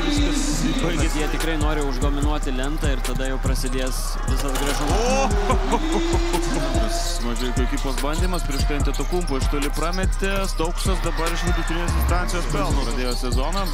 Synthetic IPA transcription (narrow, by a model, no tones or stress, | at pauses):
ʋʲɪskɐs | kʊɪɡʲɪjiɛt̪ʲɪkɾɐɪnoːɾʲɪʊʒd̪oːmʲɪnuɔt̪ʲɪlʲɛnt̪ɐɪrt̪ɐd̪ɐjɛʊpɾɐsʲɪd̪ʲeːs | ʋʲɪsɐd̪ɡɾɐʒɐ | mʲɛs | ʋɐkʲɛkʲokʲiːpˠoːsbɐnʲd̪ʲiːmɐspʲɾʲiɛʃt̪ɛnʲt̪ʲɪt̪ʊkuːmpʊɪʃt̪ʊlʲɪpɾɑːmʲɛt̪ʲɪst̪ɐʊkst̪ɐsd̪ɐbɐɾɪʃʲɪk̪ʲɪt̪ʲɾʲɪnʲeːsd̪ʲɪnst̪ɑnʲtsʲɪjoːspʲɛlˠnʊɐd̪ʲeːjoːsʲɛzoːnɐ